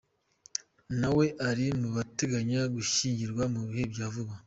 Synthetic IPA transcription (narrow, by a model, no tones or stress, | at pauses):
nawe̞ʔaɾimuβateɡaɲaɡuʃiːɲɟiɾɡwamuβihe̞bɟaːvuβa